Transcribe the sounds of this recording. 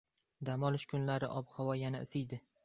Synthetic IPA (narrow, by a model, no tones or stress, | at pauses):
d̪amɒlˠɪʃkʲʰʊnlaɾɪʔɒbhɒwɒjanaɪsɪjd̪ɪ